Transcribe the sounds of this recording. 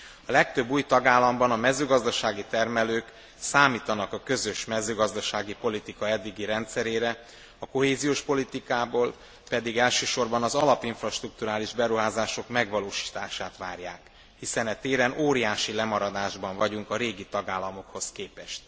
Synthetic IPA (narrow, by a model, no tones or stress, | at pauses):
ɒlɛk̚t̪øbːuːjt̪ɒɡaːlːɒmbɒnɒmɛzøːɡɒzd̪ɒʃaːɡit̪ɛrmɛløːk | saːmiːt̪ɒnɒkɒkø̞zø̞ʃmɛzøːɡɒzd̪ɒʃaːɡipo̞lit̪ikɒɛd̪ːiɡiɾɛnt̪sɛɾeːɾɛ | ɒko̞ɦeːzijoːʃpo̞lit̪ikaːboːl | pɛd̪iɡɛlʃøːʃo̞rbɒnɒzɒlɒpiɱfrɒʃt̪ruk̚t̪uɾaːliʒbɛɾuɦaːzaːʃo̞kmɛɡʋɒloːʃi̥ːt̪aːʃaːt̪ʋaːrjaːk | hisɛnɛt̪eːɾɛnoːɾijaːʃilɛmɒɾɒd̪aːʒbɒɱvɒɟuŋkɒɾeːɡit̪ɒɡaːlːɒmo̞kho̞skeːpɛʃt̪̚